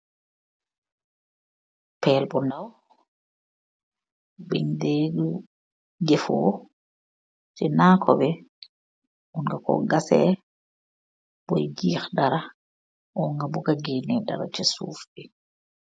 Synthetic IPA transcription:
pɛːlbɔnaw | bɛndeːdu | ɡɛfɔ̰ː | sɛnaːkʰɔbɛ | ʔunɡakɔ̰ɡasɛ̰ | bɔjɡiːxdaɾa | ʔɔŋɡabuɡaɡɛnɛda̰ɾa̰t͡ʃɛsṵːfɗɛ

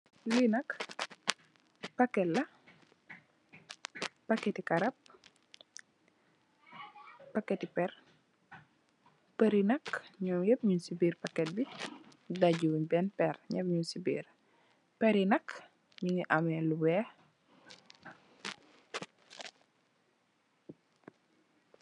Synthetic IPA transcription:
linɐk | pɐkːɛlɐ | pɐkːɛtikɐɾɐp̚ | pɐkːɛtipɛr | peɾinɐkɲɔːmjep̚ɲunsibiːrpɐkːɛt̚bi | daɟuuɲbɛnpɛɾɲɛpɲunsibḭːɾ | pɛɾinɐk | ɲuŋiʔamɛluwɛ

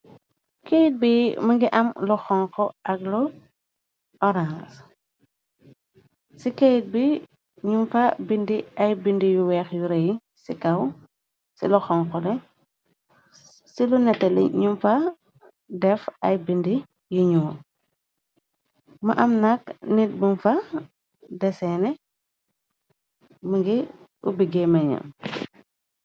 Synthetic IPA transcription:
kejit̚bimɐŋɡiʔɐmlɔxɔŋkɔɐklɔ | ɔɾãns | sikejit̚bi | ɲumfɐbindiɐjbindijuwɛxjuɾɛji | sikɐw | sḭlɔxɔŋkɔlɛ | silunɛtɛlɛ̰ɲumfa | dɛfɐjbindi | juɲu | maʔɐmnaknit̚bunfa | dɛsɛnɛ | məɡi | ubiɡɛmɐɲa̰m

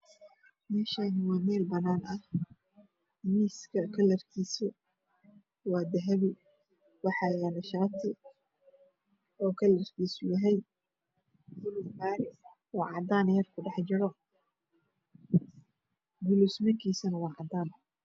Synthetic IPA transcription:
mɛːʃaːnɪwɑːmɛːlbɐnaːnʔɐh | miːskʰɐkʰɐlɐrk̪ʰiːsɔ | wɑːd̪ɐɦɐβɪ | wɑħɑjanɐʃaːt̪ʰɪ | ɔːkʰɐlɐrt̪ʰiːsʊjɐɦɛj | ɡʊlusħaːɾɪ | wɑːʕɑd̪aːnjɐrkʰʊɖɑħt͡ʃɪɾɔ | ɡʊlusmɐŋkʰiːsɐnɐwɑːʕɑd̪aːn

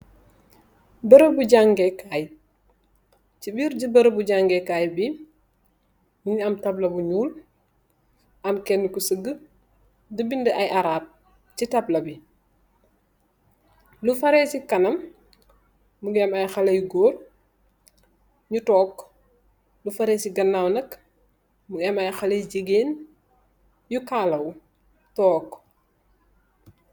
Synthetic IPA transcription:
bɐɾəbuɟaŋɡɛkaj | t͡ʃibiːɾɟibɐɾəbuɟaŋɡɛkajbi | muɲiɐmtɐblɐbuɲuːl | ʔɐmkɛnːkusəɡə | dubindəʔajʔaɾaːp̚ | t͡ʃitablɐbi | lufɐɾɛːsikɐnɐm | uɡɛmɐjxɐlɐjɡoːr | ɲutɔːk | lufɐɾɛːsiɡɐnːawnɐk | muɡɛmɐjxɐlɐjɟeɡeːn | jukaːlɐw | tɔːk

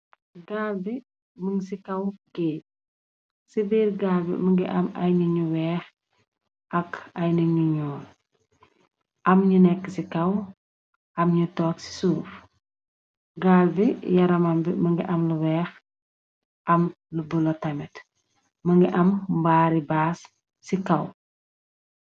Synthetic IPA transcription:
ɡaːlbi | məŋsikɐwɡeː | sibiːɾɡalbḭməŋɡiʔɐmɐ̰jniɲuwɛːx | ʔɐkɐjnəɲuɲɔːl | ʔɐmɲunɛkːəsikɐw | ʔɐmɲutɔːksi̥suːf | ɡaːlbijɐɾɐmɐmbiməŋɡiʔɐmluwɛːx | ʔɐm | lubulɔtɐmɛt | mɐŋɡiʔɐmbaːɾibaːsː | ikɐw

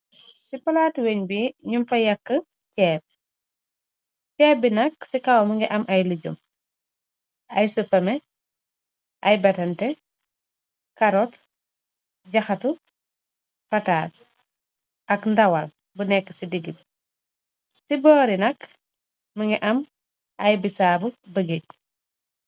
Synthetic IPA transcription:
sipɐlaːtweɲbiɲumfɐjɐkːə | cɛːp̚ | cɛːbinɐksikɐwməŋɡɛʔɐmʔɐjliɟṵm | ʔɐ̰jsupːɐmɛ | ʔɐjbɐtɐntɛ | kɐɾɔt | ɟɐxɐtu | fɐtaːs | ɐkndɐwɐl | bunɛkːə̥sidiɡil | sibɔːɾinɐk | mɐŋɡɛʔɐm | ʔɐjbisaːbubɐɡik̚

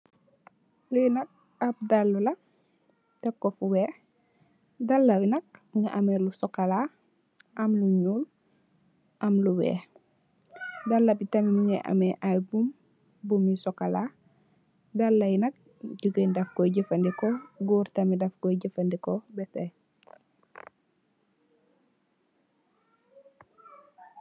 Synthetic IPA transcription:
lujnɐk̚ | ap̚dalːulɐ | tɛkːofuwɛː | dɐlːɐwinɐk̚ɲaʔamelusɔkala | ʔɐmluɲuːl | ʔɐmluwɛ̰ːh | dɐlːɐbitɐmimiɲɛʔɐ̰mɛʔajbum | bumisɔkala | dɐlːɐjnɐk̚ | ɟuɡəndɐfkɔɟifɐndikɔɡuːɾtɐmidɐfkɔjɟəfɐndikɔbɛtɛ

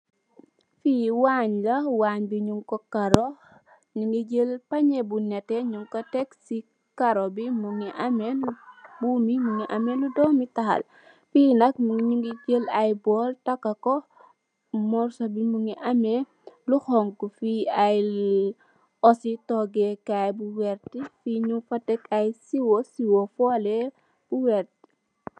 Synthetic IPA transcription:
fiːwaːɲlawaːɲbiɲuŋkɔkaɾo | ɲuŋɡid͡ʒəlpaɲebunɛtɛɲuŋkɔtɛksi | kaɾobimuŋiʔamenbumimuŋiʔamenudɔːmitaha̰l | fiːnɐk̚mɲuŋɡiɟəlajbɔːltɐkːakɔ | mɔɾsobimuŋiʔame | luxɔŋkufiaj | ɔsitɔɡɛkajbuwɛɾtifiɲuŋfɐtɛkajsiwosiwofɔlɛ | b̥uwɛɾti̥

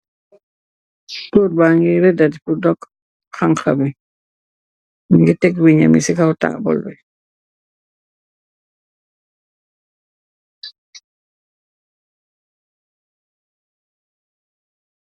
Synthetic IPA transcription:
suɾbaŋɡiɾɛdadpudɔk | xaŋxami | ŋɡitɛkwiɲa̰misɛkawta̰ʔbɔ̰lɔ̰j

